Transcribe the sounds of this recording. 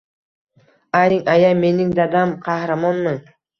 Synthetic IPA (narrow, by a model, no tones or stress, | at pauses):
ajɪŋajame̞nɪŋd̪ad̪amqʰɑhɾamɒnmɪ